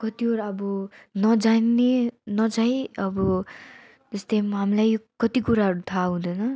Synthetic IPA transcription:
kʌt̪ioɾʌbʌnʌd͡zanːenʌd͡zaj̃ʌbʌ | d͡zʌst̪ʌmɦamilajkʌt̪ikuɾaɦʌɾut̪ʰaɦũd̪ʌjnʌ

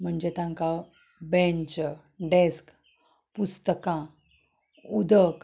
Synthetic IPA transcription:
m̤əɳd͡ʑet̪ãŋka | bẽɲt͡ɕ | ɖesk | pust̪əkã | ud̪ʱək

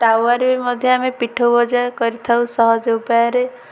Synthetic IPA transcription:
ʈawaɾbimɔd̪ʱjɔamepiʈʰowbɔd͡ʒakɔɾit̪ʰawsɔɦɔd͡ʒopaɾe

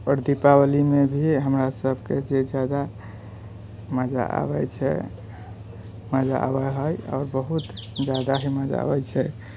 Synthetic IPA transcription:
ɔɾd̪ipawəlimebʱiɦəmɾasəbʱked͡ʒed͡ʒjad̪a | məd͡ʒa̰ʔa̰bɛt͡ʃʰɛ̰ | məd͡ʒa̰ʔa̰bɛɦəjɔ̰ɾbəɦut̪d͡ʒad̪aɦiməd͡ʒa̰a̰bɛt͡ʃʰɛ

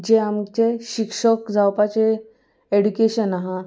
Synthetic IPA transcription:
d͡ʑeamt͡ɕeɕikʂəkd͡zawpat͡ɕe | eɖukeɕənaɦã

